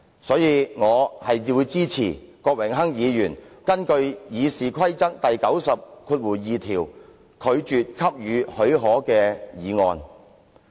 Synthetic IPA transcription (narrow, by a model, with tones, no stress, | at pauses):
sɔː˨˥jiː˨˧ŋɔː˨˧hɐ˨jiː˨˩wu˨˧jt͡siː˥t͡sʰḭː˨˩kɔː˧k̚wɪ˨˩ŋɦɐ˥ŋjiː˨˧jyː˨˩nkɐ˥nkɵ˧ɥjiː˨˧siː˨kʰɐ˥jt͡sɐ˥k̚t̪ɐ˨jkɐ˨˥wsɐ˨p̚kʰuː˧t̚wuː˨˩jiː˨t̪ʰiː˨˩w | kʰɵ˨˧ɥt͡ʃyː˨t̚kʰɐ˥p̚jyː˨˧hɵ˨˥ɥɦɔː˨˥kɛː˧jiː˨˧ŋɔː˧n